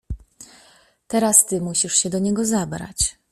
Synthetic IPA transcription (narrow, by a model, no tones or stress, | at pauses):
t̪ɛɾast̪ɘmuɕiʂɕɛd̪ɔɲɛɡɔzabɾa̰t͡ɕ